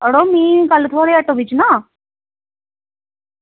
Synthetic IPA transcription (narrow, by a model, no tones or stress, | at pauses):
əɽomĩːkɐlt̪ʰoːɾeɐʈobit͡ʃna